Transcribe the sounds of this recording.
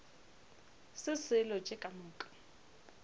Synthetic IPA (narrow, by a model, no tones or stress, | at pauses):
sɪsɪlɔt͡ʃʼekʼamʊːkʼḁ